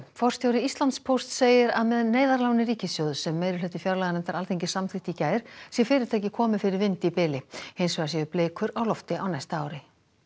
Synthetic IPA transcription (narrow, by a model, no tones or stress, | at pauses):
fɔr̥st̪jowɾɪist̪lant̪spʰowst̪seːjɪɾaðmɛðneːjðaɾlaːwnɪɾiːcɪsjowðsɛmːejɾɪlœːt̪ɪfjaɾlaɣanɛnt̪aɾalθejɲcɪsamθɪht̪icaːjɾ̥sjɛfɪːɾɪɾ̥t̪ʰajcɪkʰɔːmɪfɪɾɪɾvɪnt̪ɪipɪːlɪhejnsvɛːɣas̬jɛʏpleːkʰʏɾawlɔft̪ɪʔawnajst̪aaːwɾɪ